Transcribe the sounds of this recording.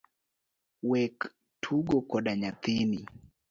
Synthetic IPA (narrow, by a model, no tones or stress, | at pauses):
wɛk | tʰuɡɔkɔɗaɲat̪ini